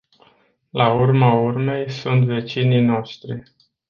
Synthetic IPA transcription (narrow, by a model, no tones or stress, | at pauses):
laurmaurme̞jsunt̪ve̞t͡ʃinijno̞ʃt̪ɾi